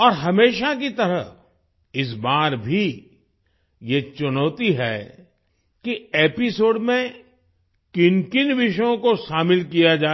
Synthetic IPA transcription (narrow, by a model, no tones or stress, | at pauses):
ɔːɾɦɐmeːʃak̬it̪ɐɾə | ɪs̬baːɾbʱi | jet͡ʃʊnɔːt̪iɦɛ | kieːpɪsoːɖmẽ | kɪnkɪnʋɪʃəjõkoʃaːmɪlkijad͡ʒaː